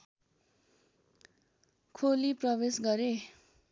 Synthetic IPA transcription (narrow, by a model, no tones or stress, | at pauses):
kʰoliprʌbesɡʌɾe